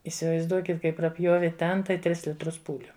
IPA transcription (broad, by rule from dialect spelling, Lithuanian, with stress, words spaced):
iːsʲɪʋɐɪzˈduɔkʲɪt ˈkɐɪ prɐˈpʲjoːʋʲɪ ˈtʲɛn tɐɪ ˈtʲrʲɪs lʲɪtˈrʊs ˈpuːlʲʊ